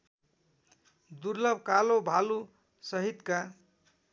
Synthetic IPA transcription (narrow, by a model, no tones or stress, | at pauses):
d̪urlʌbʱkalobʱalu | sʌɦit̪ka